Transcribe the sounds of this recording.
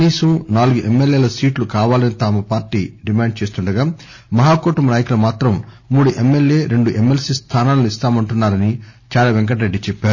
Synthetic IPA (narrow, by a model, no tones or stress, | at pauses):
kniːsɐmnaːluɡuʔemːeljeːlɐsiːʈlukaːʋaːlɐnit̪aːmɐpaːɾʈiːɖimaːɳɖ̚t͡ʃe̞ːst̪uɳɖɐɡaː | mɐɦaːkoːʈɐmnaːjɐkulɐmaːt̪ɾɐmː | uːɽuʔemːe̞lje̞ːɾe̞ɳɖuʔemːelsiːst̪ʰaːnaːlːuist̪aːmɐɳʈunːaːɾɐnit͡ʃaːlaːʋeŋk̬ɐʈɐɾe̞ɖːit͡ʃɛpːaːɾu